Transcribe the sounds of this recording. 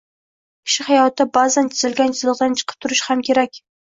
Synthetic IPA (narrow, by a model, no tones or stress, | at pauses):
kʲʰɪ̥ʃɪhajɒt̪ʰɪbazant̪ʰɪzɪlɡʲant͡ʃʰɪzlˠɨqd̪ant͡ʃʰɨ̥qʰɨ̥p̚t̪ʰʊɾɪʃhamkʲʰe̞ɾakʲ